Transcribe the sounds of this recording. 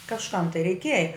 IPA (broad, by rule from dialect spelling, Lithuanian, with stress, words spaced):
kɐʃˈkɐm tɐɪ rʲɛɪˈkʲiɛjɛ